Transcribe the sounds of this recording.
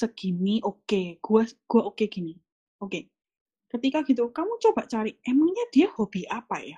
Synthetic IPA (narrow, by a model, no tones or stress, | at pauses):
səɡ̥i̤niʔokeɡ̥uaɡ̥uaʔokeɡ̥i̤ni | ʔoke | kət̪ikaɡ̥i̤t̪̬ukamut͡ʃobaʔt͡ʃaɾɪʔɛmaŋɲad̥iahob̥iapaja